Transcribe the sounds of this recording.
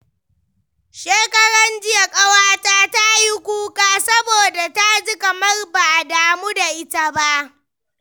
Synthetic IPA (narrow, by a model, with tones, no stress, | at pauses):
ʃeː˦kɐ˦ɽɐ˦nd͡ʒɪ˦ja˨kʼɐ˦waː˦taː˦ta˦ji˦kʷuː˦kʼaː˦sɐ˦boː˨da˨ta˦d͡ʒi˦kɐ˨mɐ˦rba˨ʔa˨daː˨mu˦da˨ʔɪ˦ta˦ba˦ʔ